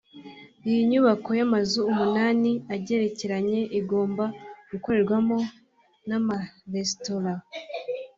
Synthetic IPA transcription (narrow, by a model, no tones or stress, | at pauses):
ijiɲuβako̞jamazuːmunaːniaɟe̞ɾe̞ceɾaɲe̞ʔiɡo̞ːmbaɡ̥uko̞ɾeɾɡwamo̞ | namaɾestola